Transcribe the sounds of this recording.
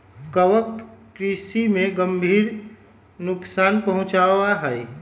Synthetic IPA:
kəwəkː | ɾiːsimẽɡəmbʱiːɾ | nʊksaːnpɐɦʊ̃t͡ʃaːwaɦɛː

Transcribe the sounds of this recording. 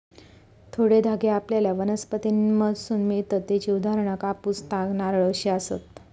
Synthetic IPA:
t̪ʰoɽed̪ʱaɡeapljaljaʋənəspət̪inməd̪sunmit̪ət̪ːet͡ɕiud̪ʱaɾəɳəkapust̪aɡnaɾɭəɕiasə̰t̪

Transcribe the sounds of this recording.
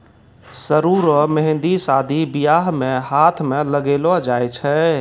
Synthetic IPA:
səɾuːɾomɛɦɪ̃nd̪isaːd̪ʱibijaːɦmẽɦaːt̪ʰmẽləɡeːlod͡ʒaːjt͡ʃʰɛ

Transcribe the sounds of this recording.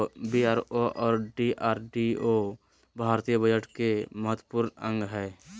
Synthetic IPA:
biaːɾoʔɔːɾɖiʔaːɾɖio | bʱaːɾt̪ijəbʱəd͡ʒəʈkeməɦət̪wəpʊɾnə̃ŋɡɦɛː

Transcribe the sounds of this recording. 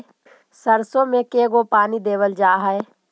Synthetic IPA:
sɐɾsõmẽkeːɡopaːnid̪eːʋəld͡ʒaːɦɛe

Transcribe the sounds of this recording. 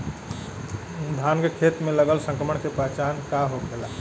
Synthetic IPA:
d̪ʱanɡəkʰet̪meləɡəlsə̃ŋkɾəməɳkepɾət͡ʃankaɦokela

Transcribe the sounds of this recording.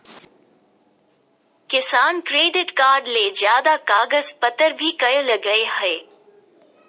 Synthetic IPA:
kɪsaːnkɾeːɖɪʈkaːɾɖleːzjaːd̪akaːɡəzpɐt̪ːəɾbʱikɐjolɐɡəeheː

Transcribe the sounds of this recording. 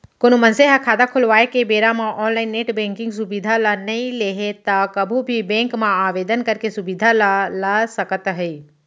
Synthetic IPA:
konumɐnseɦakʰaːd̪akʰʊlʋaːekebeːɾamãʔɔːnlaːɪnːeːʈbɛ̃ːŋkɪ̃ŋɡs̬ʊbid̪ʱalanɐĩleːɦet̪akɐbʱubʱibɛ̃ːŋkmãaːʋeːd̪ənkɐɾkesʊbid̪ʱalalasɐkət̪ɦɛiː

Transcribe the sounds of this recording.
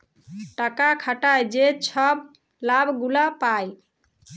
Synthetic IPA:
ʈəkakʰəʈajd͡ʒet͡ʃʰəb | labɡulapaj

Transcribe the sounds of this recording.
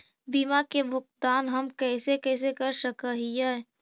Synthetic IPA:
biːmakebʱʊk̚t̪aːnɦɐmkɛːsekɛːs̬ekɐɾsəkaɦiɛː

